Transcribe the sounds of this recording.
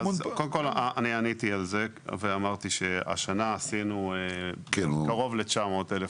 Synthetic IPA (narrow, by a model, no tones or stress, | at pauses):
azolemkolanianit̪ialze | veamaʁt̪iʃea̰ʃanaːsinueinkaʁo̞vlet͡ʃamo̞ːt̪elef